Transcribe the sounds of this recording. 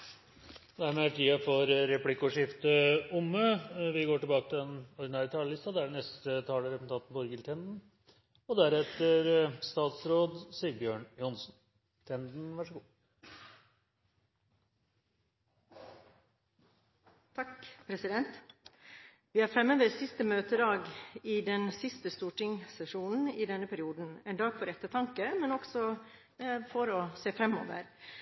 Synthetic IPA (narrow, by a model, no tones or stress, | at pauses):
d̪æɾmɛæʈʰiːɑfɔɾɾɛpʰlɪkːʊʂɪft̪əʊmːøʋɪɡoːʈɪbɑːkət̪ʰɪlɛnɔd̪ɪnɑːɾɪt̪ʰɑːləlɪst̪ɑd̪ɛæɖɛnɛst̪ət̪ʰɑːləɾɛpmn̩t̪ɑnt̪n̩bɔɾɡəlt̪ʰɛnd̪n̩ | ɔd̪æɾɛt̪əɾst̪ɑːt̪sɾoːd̪siːəbjøːɳjʊnsn | t̪ʰɛnd̪n̩ʋɑʂəɡuː | t̪ʰɑkpʰɾɛsɪd̪ɛnt̪ | ʋɪːhɑːɾfɾɛmːəːʋəɾsɪst̪əmøːt̪əd̪ɑːɡɪd̪ɛnsɪst̪əst̪uːʈɪŋsɛʂuːnn̩ɪd̪ɛnːəpʰæɾɪuːd̪n̩ɛnd̪ɑːɡfɔɾɛt̪ːət̪ʰɑŋkəmɛnɔksɔ | fɔɾɔseːfɾɛmɔ̰ːʋə̰ɾ